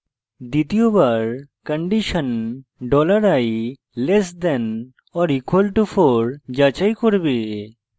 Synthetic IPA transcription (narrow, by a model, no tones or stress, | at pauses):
d̪it̪ijobaɾ | kəɳɖiʃənɖɔləɾai | lesd̪ɛn | ɔɾikwəlʈufʰɔɾd͡ʒat͡ʃajkoɾbe